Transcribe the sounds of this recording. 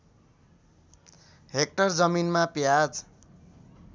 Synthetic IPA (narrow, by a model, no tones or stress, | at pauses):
ɦek̚ʈʌrd͡zʌminmapjad͡z